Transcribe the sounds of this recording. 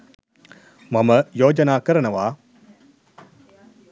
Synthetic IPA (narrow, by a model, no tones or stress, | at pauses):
mɐmɐjoːd͡ʒɐnaːkɐɾɐnɐʋaː